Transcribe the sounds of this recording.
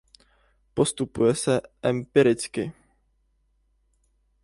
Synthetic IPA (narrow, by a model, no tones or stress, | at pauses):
po̞st̪upujɛsɛʔɛmpɪɾɪt͡skɪ